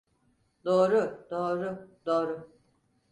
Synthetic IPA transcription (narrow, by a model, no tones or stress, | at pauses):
d̪oːɾʊd̪oːɾʊd̪oːɾʊ